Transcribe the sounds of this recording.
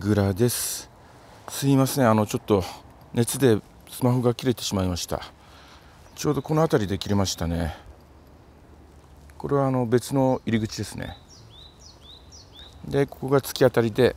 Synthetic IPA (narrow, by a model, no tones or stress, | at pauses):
ɡɯ̟ɾad̪e̞sɨ̥ | sɨimasɨneano̞t͡ɕo̞t̪ːo̞ | ne̞t͡sɨd̪e̞ | sɨmahoɡakʲiɾe̞t̪e̞̥ɕimaimaɕi̥t̪a̰ | t͡ɕo̞ːd̪o̞ko̞no̞at̪aɾʲid̪e̞kʲiɾe̞maɕi̥t̪ane̞ | ko̞ɾe̞βaːno̞be̞t͡sɨno̞iɾʲiɡɯ̟t͡ɕid̪e̞sɨnḛ | d̪e̞ko̞̥ko̞ɡat͡sɨ̥kʲiat̪aɾʲid̪e̞